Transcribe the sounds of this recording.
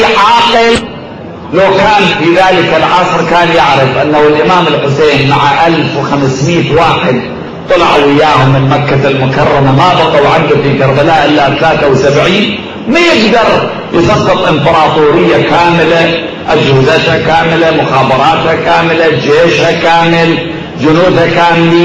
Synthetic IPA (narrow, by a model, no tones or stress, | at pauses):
ʕɑːqɪl | lawkaːnfiðaːlɪkɪlʕɑsˤɾkaːnjɪʕɾɪfʔanːawɪlʔɪmaːmɪlħʊseːnmaʕaʔalfwxamsmiːt̪waːħɪd̪̚ | t̪ˤɑlɪʕaʔɪjːaːhʊmːɪnmakːalmʊkɑrˤːɑmanɑːbɑqɑwʕɪnd̪afikaɾbalaːʔɪlːat̪alaːt̪awsabʕiːn | majɪɡd̪ɑɾˤ | jɪsˤɑqːɨt̪ˤʔɪmbɑɾˤɑːt̪ˤuːɾɪjːakaːmɪla | ʔad͡ʒhɪzat̪hakaːmɪlamʊxaːbɑɾˤɑːt̪hakaːmɪlad͡ʒeːʃhakaːmɪl | d͡ʒʊnuːd̪hakaːmɪli